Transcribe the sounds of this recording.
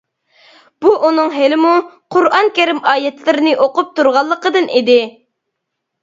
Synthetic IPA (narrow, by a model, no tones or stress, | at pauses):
b̥uʔunɨŋɦelɪmuqʰʊɾɑŋkʲeɾɪmɑːjɛt̪lɪɾɪnɪʔoqʊp̚t̪uɾʁɑlˠːəqəd̪ɨnid̪ɪ